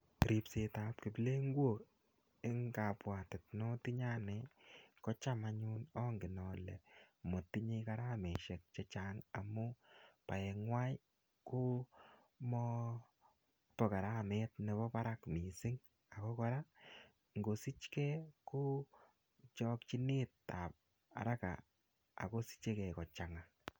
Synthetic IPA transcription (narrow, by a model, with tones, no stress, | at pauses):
ɾi˨pse˨ta˨p̚ki˨ple˦ŋɡwo˨ | e˦ŋka˨pwa˨tɪ˨tnɔ˦ti˦ɲa˦nɛkɔ˦t͡ʃa˦ma˧ɲu˦nɔ˦ŋɡɪ˨nɔ˨lɛ˨mo˨ti˦ɲeka˧ɾa˦me˨ʃɛ˨k̚t͡ʃɛ˦t͡ʃa˨ŋa˨mʊ˦pa̰˨jɛ˨ŋwa˦j | ku˦ | mɔ˦ | tɔ˨ka˨ɾa˦me˦t̚ne˨βɔ˦pa˦ɾa˦kmi˨sɪ˦ŋ | a˨kɔ˦kɔ˦ɾa˦ | ŋɡo˨si˦t͡ʃkɛ˦ku˦ | t͡ʃɔ˦kt͡ʃi˦ni˦tta˨p̚ | a̰˨ɾa˦ka̰˨ | a̰˨ko˦si̥˦t͡ʃe˦kɛ˨kɔ˨t͡ʃa˨ŋa˨